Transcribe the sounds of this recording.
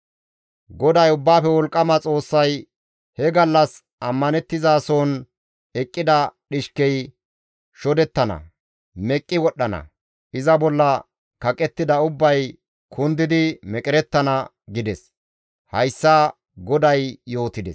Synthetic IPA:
ɡɔd̪ɐjʊbːaːfɛwɔlkʼːɐmɐt͡sʼo̞ːsːɐj | hɛɡɐlːɐs | ʔɐmːɐnɛt̪ːɪzaːsoːn | ɛkʼːɪd̪ɐɗɪʃkɛj | ʃɔd̪ɛt̪ːɐnɐ̰ | mɛkʼːɪwɔɗːɐnɐ̰ | ɪzɐbɔlːɐ | kɐkʼɛt̪ːɪd̪ɐʊbːɐj | kʰʊnd̪ɪd̪ɪmɛkʼɪɾɛt̪ːɐnɐ | ɡɪd̪ɛs | hɐjsːaː | ɡɔd̪ɐjjo̞ːt̪ɪd̪ɛs

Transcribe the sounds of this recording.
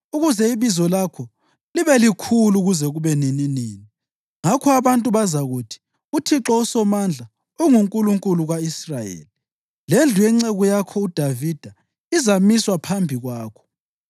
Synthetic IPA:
uɣuzɛiβizɔlakʰɔ | liβɛlikʰuluɣuzɛɣuβɛnininiːni | ŋakʰɔaβantʼuβazaɣutʰi̥ | utʰiǁɔusɔmand͡ɮʱa | uŋuŋkʼuluŋkʼuluɣaisrajḛːli | lend͡ɮʱujɛŋ͡ǀeɣujakʰɔud̥ʱavid̥ʱa | izamiswapʰambʱiɣwaːkʰɔ̥

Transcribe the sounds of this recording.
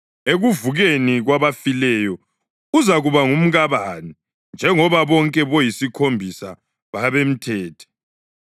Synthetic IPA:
eɣuvuɣeniɣwaβafilɛjɔ | uzaɣuβaŋum̩ɣaβani | nd͡ʒʱɛŋɔβaβɔŋkʼɛβɔjisikʰombʱisa̰ | βaβem̩tʰɛːtʰɛ̥

